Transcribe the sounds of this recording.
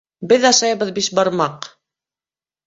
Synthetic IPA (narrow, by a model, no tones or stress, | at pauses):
bɘðɑʃɑjβɤðbiʃbɑɾmɑq